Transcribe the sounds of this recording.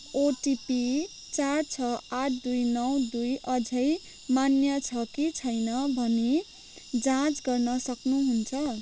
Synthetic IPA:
oʈipi | t͡sart͡sʰʌaʈ̚ʰd̪ujnʌwd̪ujʌd͡zʱʌj | manjʌt͡sʰʌkit͡sʰʌjnʌbʱʌne | d͡zãt͡sɡʌrnʌsʌknuɦunt͡sʰʌ

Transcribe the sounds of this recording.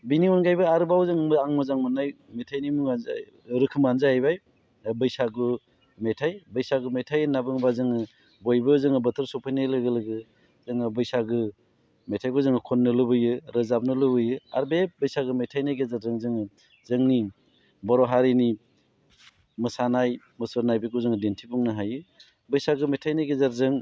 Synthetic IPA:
biniɔnɡajbɯaɾɯbawzɯŋmɯaŋmɯzaŋmɯnaj | metʰajnimuŋaa̰ | ɾɯkʰɯmanzajajbaj | bɯjsaɡu | metʰajbəjsaɡumetʰajɯnabɯŋbazɯŋɯ | bojbɯzɯŋɯbɐtʰɯɾsɔpʰajnalɯɡɯlɯɡɯ | zɯŋɯbɯjsaɡɯ | metʰajɡuzɯŋɯkʰɔnːɯlɯbɯjɯɾɯzap̚nɯlɯbɯjɯa̰ɾbebəjsaɡɯmetʰajnajɡezaɾzɯŋzɯŋɯ | zɯŋni | bɔɾɔɦaɾini | mɯsanaj | mɯsɯɾnajbekuzɯŋɯdentʰipuŋnɯɦajɯ | bɯjsaɡɯmetʰajnajɡezaɾzɯŋ

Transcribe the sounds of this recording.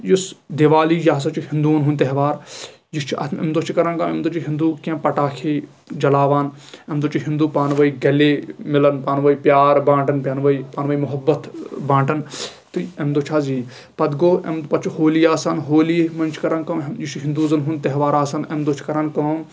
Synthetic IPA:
jisd̪eʋaːliːjaːs̬ɐt͡ʃihĩnd̪unɦunʲt̪ɐɦʋaːɾ | jist͡ʃʰiʔɐ̰t̪ʰmḛmd̪oːt͡ʃʰikɐɾaːnkɐːmḛmd̪ot͡ʃʰiɦind̪uːkẽːpɐʈaːkʰeː | d͡ʒɐlaːʋaːn | emd̪oːt͡ʃʰiɦĩnd̪uːpaːnʋɐiɡɐleːmɪlɐnpaːnʋɐipjaːɾbãːɳʈɐnpʲjaːnʋɐipaːnʋɐːimʊɦɐbːɐt̪bãːɳʈɐn | t̪ɨemd̪oːt͡ʃʰaːziː | pɐd̪ɡoːḛmd̪pɐt͡ʃʰihoːliːjaːsanɦoːliːmɐnt͡ʃʰkɐɾankɐ̃ːmjit͡ʃʰiɦĩnd̪uːzɐnɦunt̪ɐɦʋaːɾaːsɐnemd̪oːt͡ʃʰi̥kɐɾankɐːm

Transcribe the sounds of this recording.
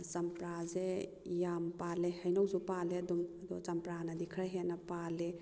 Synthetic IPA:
sɐmpɾaze | jampalehɐjnɔwzupaleɐdumɐd̪ɔt͡ʃɐmpɾanɐdikʰɾaɦenːɐpale

